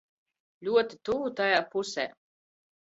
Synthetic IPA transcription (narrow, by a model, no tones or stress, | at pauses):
lʲuɔt̪it̪uvut̪ajaːpusɛ̰ː